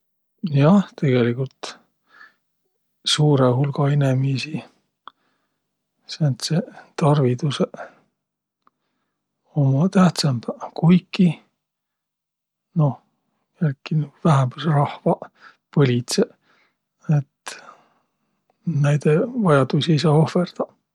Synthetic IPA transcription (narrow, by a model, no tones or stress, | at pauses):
jɑht̪e̞ɡ̥e̞likult̪ | suːɾehulɡ̥ɑenemisi | sent̪set̪ɑrvit̪use | omɑt̪æht̪sɑmb̥kujkːi | no̞h | jælkːinyuvæɦæmbsrɑhvɑ | pɤlʲit̪se | et̪ | næjd̪̥evɑjɑd̪usies̬ɑːo̞ferd̪̥ɑ